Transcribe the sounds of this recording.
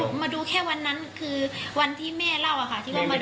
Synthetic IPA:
maː˧duː˧kʰɛː˥˩wa˧nːa˦˥nkʰɯː˧wa˧nt̪ʰiː˥˩mɛː˥˩la˥˩wʔa˧˩kʰa˥˩t̪ʰiː˥˩waː˧˩maː˧

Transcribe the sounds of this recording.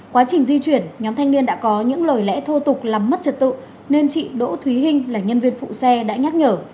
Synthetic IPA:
kwaː˨˦t͡ɕï˨˩ŋ̟zi˧t͡ɕwi˧˩ənɲɔ˨˦mt̪ʰɛ˧jŋ̟ni˧ənɗa̰ː˧˥kɔ˨˦ɲɨ̰˧˥ŋlo˨˩jlɛ̰˧˥t̪ʰo˧t̪ʊ˨˩k͡p̚laː˨˩mːə˦˥t̚t͡ɕə˨˩t̚t̪ɨ̰˧˨ | ne˧nt͡ɕḭ˧˨ɗo̰˧˥t̪ʰwi˨˦ɦï˧ŋ̟laː˨˩ɲə˧nvi˧ənfṵ˧˨sɛ˧ɗa̰ː˧˥ɲaː˦˥t̚ɲəː˧˩

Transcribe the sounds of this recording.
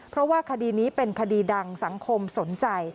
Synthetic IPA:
pʰɾɔ˦˥waː˥˩kʰa˧diː˧niː˦˥pe˧nkʰa˧diː˧da˧ŋsa˩˦ŋkʰo˧mso˩˦nt͡ɕa˧j

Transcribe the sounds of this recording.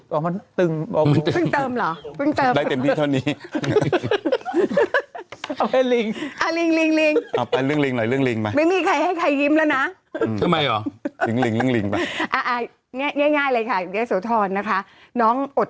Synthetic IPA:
kɔː˧˦ma˧nt̪ɯ˧ŋɔ˧ma˧nt̪ɯ˨˧ɯ˧˥˩ŋt̪ɤː˧mlɔː˩˦pʰɯ˥˩ŋt̪ɤː˧mdaː˥˩t̪e˧mt̪ʰiː˧˥˧a˥˩niː˦˥ | a˧ma˧li˧ŋʔa˨˩li˧ŋli˧ŋli˧ŋʔaː˧˩pa˧jlɯ˥˩əŋli˧ŋlɔ˨˩jlɯ˥˩əŋli˧ŋma˧jma˧˩jmiː˧˩kʰa˧jha˥˩jkʰa˧jːi˦˥mlɛ˦˥wna˦˥˧ | t̪ʰa˧˩ma˧jʔɔː˨˩˦li˨˧˩ŋli˧ŋlɯ˨˥˩əŋli˧ŋpa˧jʔaː˧˩ʔaː˧˩ | ŋɛː˥˩ŋɛː˧˥˩ŋaː˥˩jlɤː˧jkʰa˥˩ɡe˦˥soː˨˦t̪ʰɔː˧nːa˦˥kʰa˦˥ʔnɔː˦˥ŋʔo˨˩t̪̚

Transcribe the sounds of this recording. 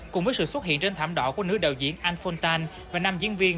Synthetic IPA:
kʊ˨˩ŋ͡mvəː˨˦jsɨ̰˧˨swə˦˥t̚hḭ˧˨ənt͡ɕe˧nt̪ʰaː˧˩mɗɔ̰˧˨ku˧˩ənɨ˦˥ək̚ɗaː˨˩wzḭ˧˥ənʔaː˧nfɔ˧nt̪aː˧n | vaː˨˩naː˧mzḭ˧˥ənvi˧ən

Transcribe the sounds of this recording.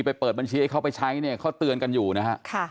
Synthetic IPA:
pa˧jpɤː˨˩t̪̚ba˧nt͡ɕʰiː˧a˥˩jkʰa˦˥˩pa˧jt͡ɕʰa˦˥jni˥˩ɐkʰa˦˥˩wt̪ɯ˧ənka˧njuː˨˩na˦˥kʰa˦˥ʔkʰa˥˩

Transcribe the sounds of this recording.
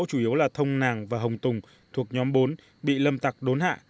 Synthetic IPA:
wt͡ɕu˧˩ʔi˨˦əwlaː˨˩t̪ʰə˧wŋ͡mnaː˨˩ŋvaː˨˩ɦə˨˩wŋ͡mt̪ʊ˨˩ŋ͡m | t̪ʰu˨˩ək̚ɲɔ˨˦mɓo˨˦n | ɓḭ˧˨lə˧mt̪a˨˩k̚ɗo˨˦nhɦa̰ː˧˨

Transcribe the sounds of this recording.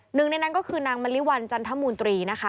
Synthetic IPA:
nɯ˨˩ŋna˧jna˦˥nkɔː˥˩kʰɯː˧naː˧ŋma˧li˦˥wa˧nt͡ɕa˧nt̪ʰa˦˥muː˧nt̪ɾiː˧na˦˥kʰa˦˥

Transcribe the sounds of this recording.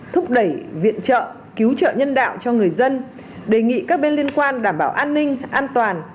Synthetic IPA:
t̪ʰʊ˦˥k͡p̚ɗə˧˩jvḭ˧˨ənt͡ɕə̰ː˧˨ | ki˨˦wt͡ɕə̰ː˧˨ɲə˧nɗa̰ː˧˨wt͡ɕɔ˧ŋɨ˨˩əjzə˧n | ɗe˨˩ŋḭ˧˨kaː˦˥k̚ɓe˧nli˧ənkwaː˧nɗaː˧˩mɓaː˧˩wʔaː˧nːï˧ŋ̟ʔaː˧nt̪waː˨˩n

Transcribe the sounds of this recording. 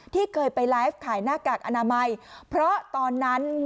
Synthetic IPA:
t̪ʰiː˥˩kʰɤː˧jpa˧jlaː˦˥jf̚kʰaː˩˦jnaː˥˩kaː˨˩k̚ʔa˧naː˧ma˧jpʰɾɔ˦˥t̪ɔː˧nːa˦˥nm

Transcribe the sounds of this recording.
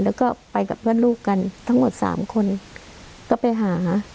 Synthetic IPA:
lɛː˦˥wkɔː˧˩pa˧jka˨˧˩p̚ʰɯ˥˨nluː˥˩kːa˧nt̪ʰa˦˥ŋmo˨˩t̪̚sa̰ː˩˦mkʰo˧˨n | kɔː˥˩pa˨jɦaː˩˦

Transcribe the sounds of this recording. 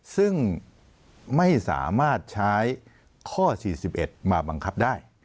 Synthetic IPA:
sɯ˥˩ŋ | ma˥˩jsa̰ː˩˦maː˥˩t̪̚t͡ɕʰaː˦˥j | kʰɔː˥˩siː˨˩si˨˩p̚ʔe˨˩t̪̚maː˧ba˧ŋkʰa˦˥p̚daː˥˩j

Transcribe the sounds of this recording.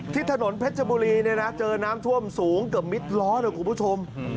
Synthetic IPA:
t̪ʰiː˥˩t̪ʰa˧no˩˦npʰe˦˥t̪̚t͡ɕʰa˧buː˧ɾiː˧ni˥˩na˦˥t͡ɕɤː˧naː˦˥mt̪ʰu˥˩əmsuː˩˦ŋkɯ˨˩əp̚mi˦˥t̪̚lɔː˦˥ɾɯː˧˩kʰu˧pʰuː˦˥˩t͡ɕʰo˧m

